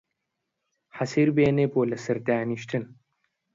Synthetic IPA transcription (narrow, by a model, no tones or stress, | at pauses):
ħɐsiɾbeːnepoːlɐsɐɾt̪aːniɕt̪ʰɨn